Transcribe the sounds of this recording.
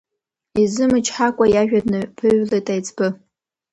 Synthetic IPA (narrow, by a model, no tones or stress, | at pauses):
izɨmɨt͡ʃʰħakʷʼajaʒᶣadnɨpʰɨɥletʼajt͡sʰʼbɨ